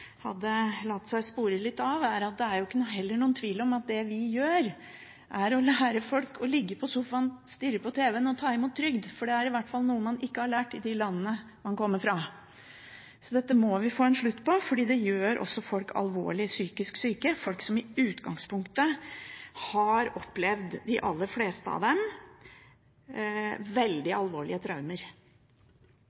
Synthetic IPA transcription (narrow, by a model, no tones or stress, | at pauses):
hɑ̰d̪ːəlɑt̪ːsæɪspuːɾəlɪt̪ːɑʋæɾɑt̪̚d̪ɛæɾjʊɪkːənʊɦɛlːəɳuːənt̪ʰʋiːlɔmɑt̪̚d̪ɛʋɪjøːɾ | ʔæɾɔlæːɾəfɔlkʰɔlɪɡːəpʰɔsʊfɑnst̪ɪɾəpɔt̪ʰeːʋɛənəɔt̪ʰɑːɪmuːt̪ʰːɾʏɡd̪fɔɖɛæɾɪʋæʈfɑlnuːəmɑnɪkːəhɑɭæːʈɪd̪ɪlɑnːəːə | mɑnkɔmːəɾfɾɑ | sɔd̪ɛt̪ːəmɔʋɪfoːɛnʂɭʉt̪ːpɔfɔɖiːd̪ɛjøːɾʔɔ̰sːɔfɔlkʰɑ̰lʋo̰ːɭɪsyːkɪsksyːkəfɔlksɔmɪʉːt̪ɡɑŋspʰʊŋkt̪ə | hɑɾɔpːlɛʋd̪d̪ɪʔɑ̰lːəɾfleːst̪əɑ̰d̪ɛm | ʋɛld̪ɪɑlʋoːɭɪ̰ət̪ʰɾɑʉməɾ